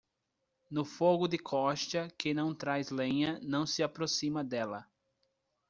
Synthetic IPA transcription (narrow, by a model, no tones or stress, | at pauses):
nʊfoɡʊd̪ɪkʰɔʃt̪ɐkɪnɐ̃w̃t̪ɾajzlẽɲɐnɐ̃w̃sɪapɾosĩmɐd̪ɛlɐ